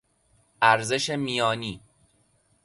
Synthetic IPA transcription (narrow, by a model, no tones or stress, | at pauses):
ʔæɾze̞ʃe̞miːjɒːniː